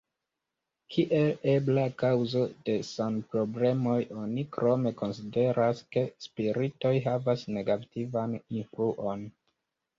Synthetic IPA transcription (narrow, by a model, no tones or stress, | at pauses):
kʰiʔe̞le̞blakawzo̞de̞sanpɾo̞ble̞mo̞jo̞nikɾo̞me̞ko̞nside̞ɾʔaske̞spiɾito̞jɦavasne̞ɡativaninfluʔo̞n